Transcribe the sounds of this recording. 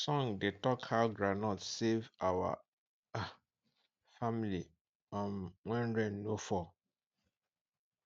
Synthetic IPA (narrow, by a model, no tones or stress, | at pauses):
sɔ̃ŋdetɔkhaʊɡɹanɔtsevawa̰ | famili | ãnwɛ̃nɹɛ̃nːõfɔ